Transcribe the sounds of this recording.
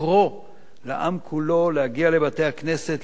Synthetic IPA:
ʁo | laʔamkʰulo̞lehaɡiale̞bat̪e̞jhakne̞set

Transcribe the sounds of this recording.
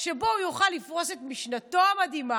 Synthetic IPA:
ʃebo̞ujuχalːifʁo̞se̞t̪miʃnato̞amad̪ima

